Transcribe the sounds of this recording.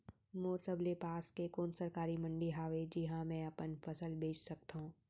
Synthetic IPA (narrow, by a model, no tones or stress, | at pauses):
moːɾsəblepaːskekoːnsɐɾkaːɾimɐ̃ɳɖiɦaːʋed͡ʒɪɦãmɛ̃ɐpənfʰɐsəlbeːt͡ʃsɐk̚t̪aɦũː